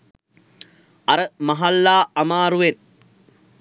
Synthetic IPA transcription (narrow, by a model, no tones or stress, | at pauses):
ɐɾəmɐɦalːaːɐmaːɾuʋen